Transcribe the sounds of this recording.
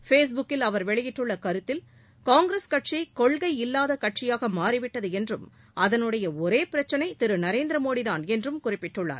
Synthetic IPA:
feːs̬bʊkːɪlɐʋɐɾʋɛɭɪjɪʈːɯɭːɐkɐɾɯt̪ːɪl | kaːŋɡɾeskɐʈ̚t͡ʃɐɪkɔɭɣɐɪɪlːaːðɐkɐʈ̚t͡ʃɪjaːɣɐmaːɾiʋɪʈːɐðɯɛndrɯm | ʔɐðɐnɯɽɐjɐɔɾeːpɪɾɐt͡ʃːɐnɐɪt̪ɪɾɯnɐɾeːnd̪ɪɾɐmoːɽɪðaːnɛndrɯmkʊrɪpːɪʈːɯɭːa̰ːɾ

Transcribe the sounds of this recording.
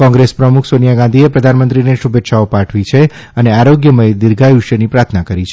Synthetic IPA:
kɔ̃ŋɡɾespɾəmukʰsonijaɡãnd̪ʱiepɾəd̪ʱanmə̃nt̪ɾineʃubet̪ːʃaopaʈʰʋit͡ʃʰe | əneaɾoɡjəməjd̪iɾɡʱajuʃənipɾaɾt̪ʰnakəɾit͡ʃʰe

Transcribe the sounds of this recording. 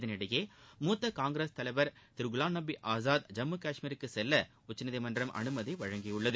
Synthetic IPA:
ðɐnɪɽɐjeːmuːt̪ːɐkaːŋɡɾeːst̪ɐlɐɪʋɐɾt̪ɪɾɡʊlaːnːɐbiʔaːzaːd̪d͡ʒɐmːɯkaːʂmiːɾɯkːɯsɛlːɐ | ʊt͡ʃːɐnɪðɐɪmɐndrɐmʔɐ̰nɯmɐðɐɪʋɐɻɐŋɡɪjɯɭːɐðɯ

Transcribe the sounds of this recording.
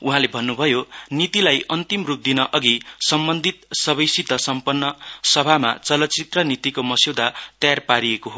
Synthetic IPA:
uɦãlebʱʌnːubʱʌjonit̪ilajʌnt̪imrup̚d̪inʌʔʌɡisʌmbʌnd̪ʱit̪̚sʌβʌjsit̪ʌsʌmpʌnːʌsʌbʱama̰t͡sʌlʌtːt͡sit̪rʌnit̪ikomʌsiwd̪ʱat̪ʌjarpaɾiekoɦo

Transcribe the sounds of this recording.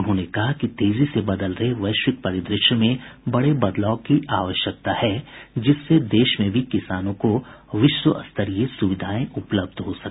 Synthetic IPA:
ʊnɦõnekɐɦakit̪eːzisebɐd̪əlɾəɦeʋɐɪʃʋɪk̪̚pɐɾɪd̪ɾɪʃəmẽbɐɽebɐd̪laːʊkiaːʋəʃjək̚t̪ahɛd͡ʒɪsːed̪eːʃmẽbʱikɪsaːnõkoʋɪʃʋəʔɐ̰st̪ʰəɾijesʊʋɪd̪ʱaːẽʊpləb̚d̪ɦosɐkː

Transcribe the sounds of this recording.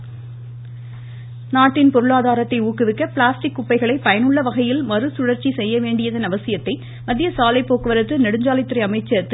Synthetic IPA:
naːʈːɪnpɔɾɯɭaːðaːɾɐt̪ːɐɪuːkːɪʋɪkːɐpɭaːsʈɪkːʊpːɐɪɣɐɭɐɪpɐjɐnɯɭːɐʋɐɣɐjɪlmɐɾɯsʊɽɐɾt͡ʃːisɛjːɐʋeːɳɖɪjɐðɐnɐʋɐsɪjɐt̪ːɐɪ | mɐðɪjɐsaːlɐɪpːoːkɯʋɐɾɐt̪ːɯnɛɽɯɲd͡ʒaːlɪt̪ːɪɾɐɪɐmɐɪt͡ʃːɐt̪ːɯ

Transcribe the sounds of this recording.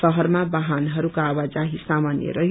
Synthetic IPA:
sʌɦʌrmabaɦanɦʌɾukaawad͡zaɦisamanjʌ̰ɾʌɦ

